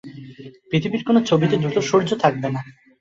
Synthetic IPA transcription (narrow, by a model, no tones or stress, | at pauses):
pɾit̪ʰibiɾkonot͡ɕʰobit̪ed̪ɾut̪oʃoɾd͡ʑot̪ʰak̚bena